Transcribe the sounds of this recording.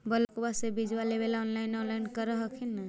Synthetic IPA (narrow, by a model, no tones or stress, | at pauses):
bəlɔkbasebid͡ʒwalebelɔnlainɔnlajnkəɾəɦəkʰinə